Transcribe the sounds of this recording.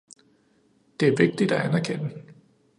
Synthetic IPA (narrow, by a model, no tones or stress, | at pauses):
d̥e̝æɐʋe̝ɡ̥̚d̥id̥æænæɐkʰen̰ə